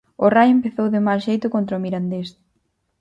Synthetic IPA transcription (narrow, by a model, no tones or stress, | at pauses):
ʊrajempeθowðɪmalʃejt̪ʊkont̪ɾaomiɾand̪es